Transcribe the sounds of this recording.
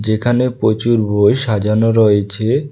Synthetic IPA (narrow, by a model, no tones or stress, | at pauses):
d͡ʑekʰanepɾot͡ɕuɾbʱojʃad͡ʑanoɾɔet͡ɕʰe